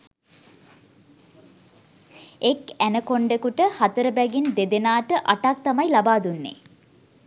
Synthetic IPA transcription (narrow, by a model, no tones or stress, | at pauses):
ekænəkoɳɖekuʈəhat̪əɾəbæɡind̪ed̪enaːʈəʔaʈak̚t̪amajlabaːd̪unːḛː